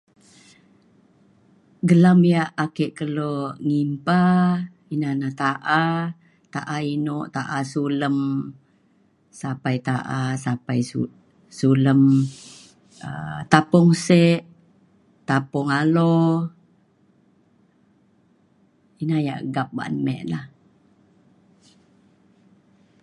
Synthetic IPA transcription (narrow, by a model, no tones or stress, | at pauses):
ɡəlamjaʔakeʔkəloŋimpa | inanaht̪aʔa | t̪aʔainoʔt̪aʔasuləm | sapajt̪aʔasapaju | suləm | ə̰t̪apɔŋseʔ | t̪apɔŋalo | inaja̰ʔəɡap̚ba̰ʔnmɛ̰ʔlah